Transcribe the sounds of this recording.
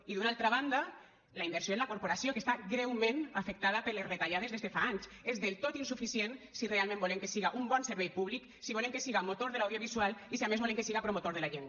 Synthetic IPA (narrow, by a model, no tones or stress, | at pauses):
iðunalˠt̪ɾaβ̞and̪a | laimbeɾsjoenlakoɾpoɾasiokest̪aɡɾɛwmẽnafek̚t̪að̞ɐpəɾleszret̪aʎað̞ezðezðefaaɲs | ezðelˠt̪ot̪insufisiensirealmẽmbolemkesiɣaʔumbɔnseɾβɛjpuβlik | siβolemkesiɣamot̪oɾðelawðjoβ̞izwalˠisiamezβoleŋkesiɣapɾomot̪oɾð̞elaʒen